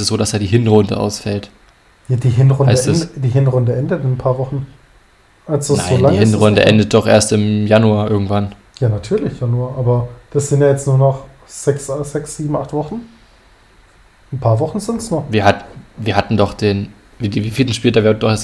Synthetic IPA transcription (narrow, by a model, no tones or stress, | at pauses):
sɛsz̥oːɾasd̥aːdiːɦɪnʁʊndə̰ʔa̰ʊsfɛlt | jaːdiːɦɪnʁʊnaɪdnd̥iːɦɪnʁʊndəʔɛndətɪnnpʰaːɐvɔχn̩ | ʔalsd̥ana̰ɪzoːlaŋhɪnʁʊndə̰ʔɛ̰ndət̚d̥ɔχʔḛːɐstɪmjanuaːʔɪɐɡŋ̩tv̥an | jaːnatʰyːɐlɪçjanuaːʔaːbɐd̥asz̥ɪntjaːjɛt͡stnuːɐnɔχ | z̥ɛkszɛksz̥iːbm̩ʔaχtv̥ɔχn̩ | n̩pʰaːɐvɔχn̩zɪntsnɔχviːɐɦatn̩viːɐhatn̩dɔχd̥eːn | viiviːfiːdn̩ʃpiːltdaːviːɐhatn̩dɔχeɐs